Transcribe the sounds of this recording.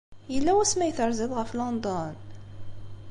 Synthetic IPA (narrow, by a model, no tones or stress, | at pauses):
jəlːæwæsmæjθəɾˤzəðʁəflond̪ˤɔn